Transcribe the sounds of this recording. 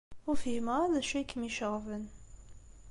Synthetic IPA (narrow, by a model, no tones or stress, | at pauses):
ʊfiməðæʃækəmiʃəʁvən